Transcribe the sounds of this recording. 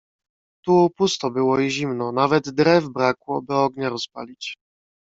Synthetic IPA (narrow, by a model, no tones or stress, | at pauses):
t̪upust̪ɔbɘwɔiʑimnɔnavɛd̪ːɾɛvbɾakwɔbɘɔɡɲaɾɔspa̰lʲit͡ɕ